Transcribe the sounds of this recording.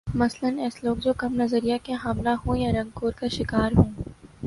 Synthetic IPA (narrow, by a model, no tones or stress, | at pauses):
mɐslənɛːsloːɡd͡ʒoːkɐmnɐzəɾijakeɦaːmlaɦõːjaɾɐ̃ŋɡ̚koːɾkaʃɪkaːɾɦõː